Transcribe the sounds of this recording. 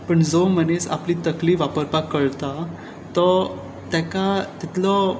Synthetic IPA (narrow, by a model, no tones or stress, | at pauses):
pəɳd͡zomənesa̰pliːt̪əkliːʋapəɾpakːəɭt̪a | t̪ɔ | t̪jakat̪it̪lɔ